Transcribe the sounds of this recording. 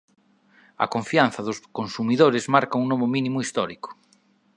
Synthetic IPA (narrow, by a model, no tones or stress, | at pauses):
ɐ̰koɱfian̟θɐðʊskonsumiðoɾezmaɾkauŋnoβominimoist̪ɔɾikʊ̥